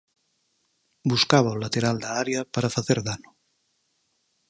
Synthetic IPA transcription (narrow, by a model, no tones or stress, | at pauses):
buskaβ̞aolat̪eɾald̪aaɾjapaɾafaθeɾðano